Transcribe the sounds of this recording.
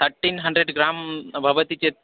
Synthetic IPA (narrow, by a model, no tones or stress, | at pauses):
t̪ʰəɾʈːinɦɐɳɖɾeɖɡɾambʱəʋət̪it͡ɕe